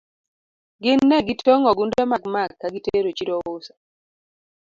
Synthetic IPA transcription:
ɡɪnːɛɡitʰoŋɔɡundɛmakmakːaɡiteɾot͡ʃiɾowosḁ

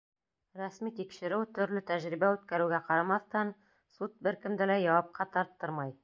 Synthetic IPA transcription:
ɾæsmit̪ikʃɘ̆ɾɘwt̪ɵ̆ɾlɘt̪æʒɾibæʉt̪kæɾɘ̆wɡæqɑɾɑmɑθt̪ɑn | sut̪̚bɘɾkɘ̆md̪ɘlæjɑwɑp̚qɑt̪ɑɾt̪ːɤɾmɑj

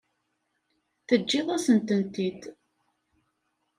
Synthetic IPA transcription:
θəd͡ʒːɪðˤæsənt̪ənt̪id̪

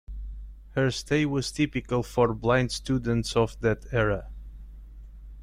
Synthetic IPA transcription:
hə˞steɪwʌz̥tʰɪpɨkəlˠfɔɹblãɪ̃ndstud̃n̩tsɔvðætʰɛɹə

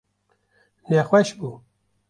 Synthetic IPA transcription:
nɛxwɛʃbuː

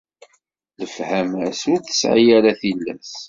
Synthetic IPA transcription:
ləfhæmæsʊɾθə̥sʕijaɾaθilːæ̰s

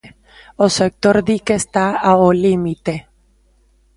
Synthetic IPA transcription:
osek̚t̪oɾðikest̪aaolimit̪e

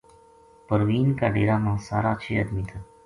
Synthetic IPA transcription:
pəɾʋiːnkaːɖeːɾaːmãːsaːɾaːt͡ʃʰeːəd̪miːt̪ʰa

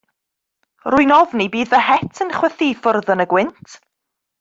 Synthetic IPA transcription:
rʊjnɔvnibiːðvəɦɛtʰənχwɛθifʊrðənəɡwɪntʰ

